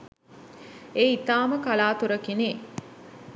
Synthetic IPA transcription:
eːit̪aːməkalaːt̪uɾəkineː

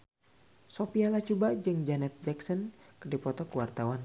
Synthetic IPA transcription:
sɔpialat͡ʃubad͡ʒɨŋd͡ʒanɛt̪̚d͡ʒɛksɔnkɨrdipɔt̪ɔkuwart̪awan

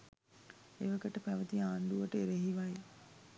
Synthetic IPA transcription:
eʋəkəʈəpæʋət̪iaːnd̪uʋəʈəeɾeɦiʋaj

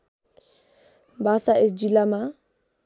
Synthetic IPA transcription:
basaɪs̬d͡ʒilama

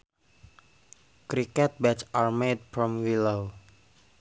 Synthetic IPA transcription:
kɾikɛt̪̚bɛt͡ʃaɹmet̪̚fɾɔmwilow

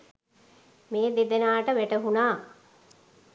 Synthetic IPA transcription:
meːd̪ed̪enaːʈəʋæʈəɦunaː

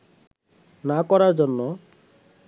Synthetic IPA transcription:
nakɔɾaɾd͡ʑonːo

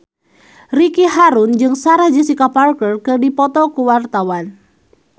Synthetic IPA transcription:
rikiɦaɾund͡ʒɨŋsaɾad͡ʒəsikaparkərkɨrdipɔt̪ɔkuwart̪awan

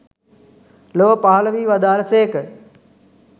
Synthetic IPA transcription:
loːpaːlʋiːʋɐd̪aːlseːk

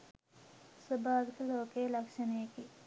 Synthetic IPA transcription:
subʱaːd̪kiloːkeːlɐkʂɐneːki

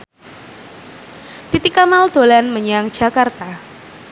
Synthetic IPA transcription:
t̪it̪ikamald̪̥olanməɲaŋd͡ʒ̥a̤kart̪a

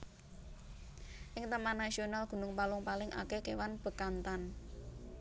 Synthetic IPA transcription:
ʔɪŋt̪əmanːasionalɡ̥ṳnʊŋpalʊŋpalɪŋʔa̰kekewanb̥ə̤kant̪an

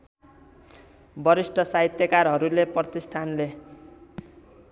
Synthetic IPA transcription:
bʌɾisʈʰʌsaɦit̪jʌkarɦʌɾuleprʌt̪isʈʰanle

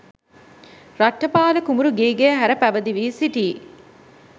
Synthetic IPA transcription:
ɾaʈːɐpaːləkumuɾuɡeːɡejəɦæɾəpæʋəd̪iʋiːsiʈiː

